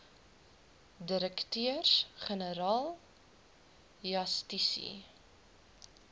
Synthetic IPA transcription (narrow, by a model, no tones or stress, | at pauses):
diɾəktøərsχənəɾɑːlˠ | jɐstisḭ